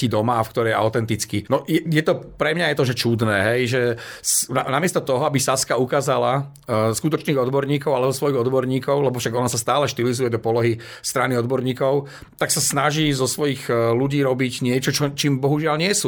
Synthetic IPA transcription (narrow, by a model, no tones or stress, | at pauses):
id̪ɔmaːfkt̪ɔɾɛja̰ʊt̪ɛnt̪it͡skinɔjɛjɛt̪ɔpɾɛmɲajɛt̪ɔʒɛt͡ʃud̪nɛːɦɛjʒɛsna̰namɪɛst̪ɔt̪ɔɦɔabisaskaukaːzala | skut̪ɔt͡ʃniːɣɔd̪bɔɾɲiːkɔʊalɛbɔzɔsʋɔjiɣɔd̪bɔɾɲiːkɔʊlɛbɔfʃaɡɔnasast̪aːlɛʃt̪ilizujɛd̪ɔpɔlɔɦi | st̪ɾaniɔd̪bɔɾɲiːkɔʊ | t̪aksasnaʒiːzɔsʋɔjiːɣluɟiːɾɔbiɟɲɪɛt͡ʃɔt͡ʃɔt͡ʃiːmbɔɦuʒɪalɲɪɛsu